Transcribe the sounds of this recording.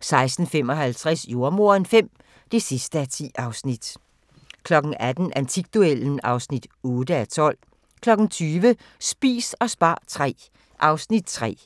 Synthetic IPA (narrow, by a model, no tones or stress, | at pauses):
sɑ̈ɪsd̥n̩fem̰ɒ̽ɦælt͡sʰʁasjo̝ɐmo̝ɐ̰enfem̰ | d̥e̝sisd̥əæt͡sʰḭːɑ̈ʊsnid̥ | kʰlɒ̽ɡ̥n̩æd̥n̩ʔænt͡sʰiɡ̥̚d̥ueln̩ɑ̈ʊsnid̥ɔ̽ːd̥əæt͡sʰɒ̽l̰ | kʰlɒ̽ɡ̥n̩t͡sʰyːʋə | sb̥ḭːsɒ̽sb̥ɑ̰̈ːt͡sʰʁɛ̰ː | ʔɑ̈ʊsnid̥̚t͡sʰʁɛ̰ː